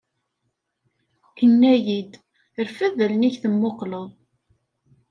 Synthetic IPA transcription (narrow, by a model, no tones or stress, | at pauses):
kənːæjid̪ | əɾfæðəlniçθəmːoqləðˤ